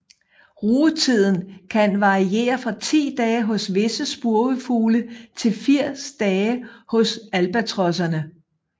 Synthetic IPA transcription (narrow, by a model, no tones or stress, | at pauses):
ʁuːt͡sʰið̞̰ˠn̩kʰænʋɑ̈ʁie̝̰ːɐfʁɑ̈t͡sʰḭːd̥ɛːɦɔ̽sʋe̝səsb̥uɐɡəfuːlət͡sʰe̝lfiɐ̰sd̥ɛːhɔ̽sælb̥æt͡sʰʁɒ̽s̬ɐnə